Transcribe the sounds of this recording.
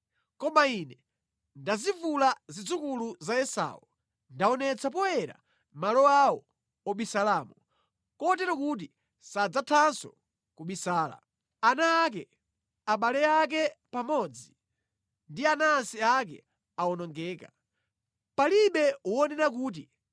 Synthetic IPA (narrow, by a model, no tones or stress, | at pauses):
kɔmainɛ | ndazivulazid͡zukuluzaɛsa̰ːu | ndaɔnɛt͡sʰapɔwɛɾa̰ | malɔawɔ | ɔɓisalamu | kɔtɛɾɔkut̬i | sad͡zatʰansɔ̰ | kuɓisaːla̰ | anaːk̬ɛ | aɓalɛak̬ɛpamɔd͡zi | ndianaːnsiak̬ɛ̰ | aɔnɔŋɡɛːka | paliɓɛwɔnɛnakuːt̬i